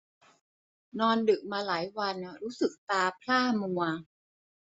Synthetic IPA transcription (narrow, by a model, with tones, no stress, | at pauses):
nɔː˧ndɯ˨˩k̚maː˧laː˩˦jwa˧n˩ɾuː˦˥sɯ˨˩k̚t̪aː˧pʰlaː˥˩mu˧ɐ